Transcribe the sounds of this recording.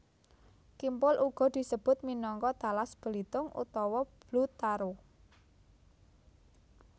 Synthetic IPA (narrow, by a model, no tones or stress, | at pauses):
kimpʊlʔuɡ̥ɔ̤d̪̥i̤səb̥ʊ̤t̪̚minɔŋkɔt̪alasb̥ə̤lit̪ʊŋʔṵt̪ɔwɔb̥lut̪aɾuh